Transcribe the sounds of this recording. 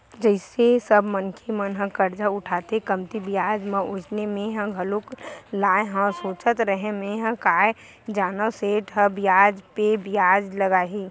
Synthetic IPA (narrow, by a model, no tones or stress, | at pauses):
d͡ʒəɪsesəbmənkʰemənɦə̃kəɾd͡ʒaʊʈʰaːt̪ekəmt̪ibijaːd͡ʒmə̃ʔʊd͡ʒnemẽɦə̃ɡʱɐloklaːẽɦə̃soːt͡ʃət̪ɾəɦẽmẽɦə̃kaːe | d͡ʒaːnəseːʈɦə̃bɪjaːd͡ʒpebɪjaːd͡ʒləɡaːɦiː